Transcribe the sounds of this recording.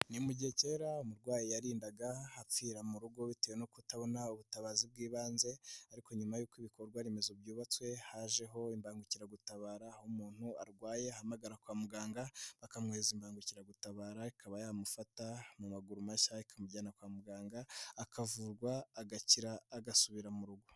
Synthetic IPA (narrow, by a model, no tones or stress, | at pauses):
nimuɟihece̞ːɾaumuɾɡwaːjijaɾiːndaɡaap͡fiːɾamuɾuɡo̞βitejenokutaβo̞nauβutaβazib̚ɡiːβaːnze̞aɾiko̞ɲumajuːkiβiko̞ɾɡwaɾeme̞zubɟuːβat͡swe̞haʒe̞ɦo̞imbaːŋɡuciɾaɡutaβaːɾaːhomuːn̥huaɾɡwaːje̞ahamaɡaɾakwaːmuɡaːŋɡaβakamŋeːzimbaːŋɡuciɾaɡutaβaːɾaikʰaβajaːmufatamumaɡuɾumaʃaikʰamuɟaːnakwaːmuɡaːŋɡaːkʰavuːɾɡwaːɡaciɾaːɡasuβiɾamuɾuɡo̞